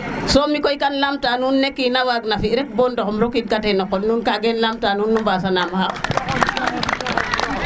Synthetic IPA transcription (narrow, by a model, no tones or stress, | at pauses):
somikojkanlamtanunːekːinawaɡnafiɾek̚bondokmɾokitkatenokːolnuːnkaɡenlamtanunːumbas̬anamhaʔ